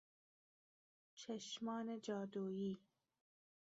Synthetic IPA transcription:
t͡ʃʰɐʃmɑːned͡ʒɑːd̪uːjiː

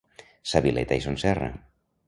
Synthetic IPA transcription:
saβilḛjt̪ajsonsɛra̰

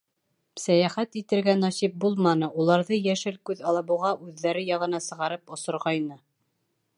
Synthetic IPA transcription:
sæjæχæt̪it̪ɘ̆ɾɡænɑsip̚bulˠmɑnɤʔulˠɑɾðɤjæʃɘlkʉðɑlˠɑβɤ̆ʁɑʔʉðːæɾɘjɑʁɤ̆nɑsɤ̆ʁɑɾɤpŏsŏɾʁɑjnɤ

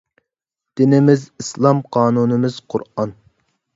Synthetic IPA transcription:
d̪̥ɪnɪmɪzislˠɑmqʰɑːnunɨmɪz̥qʰʊ̰ɾɑn

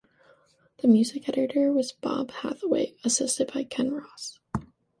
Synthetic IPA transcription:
ðɨmjʉzɨkɛɾɨɾə˞wʌzbɑ̰b̥hæ̰θəwḛɪɨsɪstɨd̚baɪkʰɛ̃nɹɑs

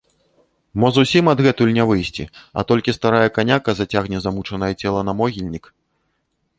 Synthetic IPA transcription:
mɔzusʲimɐd̪ɣɛt̪uulʲnʲɛvɨjsʲt͡sʲḭɐ̰t̪ɔlʲkʲist̪aɾajɐkanʲakɐzat͡sʲaɣnʲɛzamut͡ʂɐnɐjɛt͡sʲɛlˠɐnɐmɔɣʲilʲnʲik

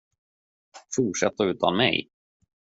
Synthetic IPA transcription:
fuːʈʂɛt̪ːəʉ̟ːt̪anmɛ̰j

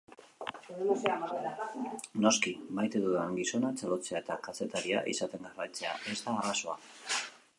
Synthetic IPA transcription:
saeano̞skimajt̪e̞ðuðaŋɡiso̞nat͡salo̞t͡seaet̪akase̞t̪aɾia̰ʔḭsat̪e̞ŋɡarajt͡se̞a̰e̞zd̪aːraso̞a̰

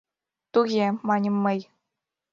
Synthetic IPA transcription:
t̪uɣʲemɑnʲɤ̆mːɤ̆j

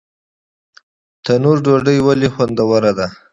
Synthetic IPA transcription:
t̪anuɾɖoɖəjwalexwand̪awaɾad̪a

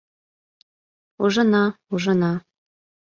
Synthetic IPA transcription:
uʒɤ̆nɑuʒɤ̆nɑ

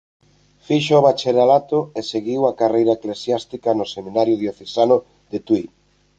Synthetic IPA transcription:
fiʃooβat͡ʃeɾalat̪ʊeseɣiwakarejɾaeklesjast̪ikanʊsemĩnaɾjʊðjoθesanʊ | d̪et̪wi

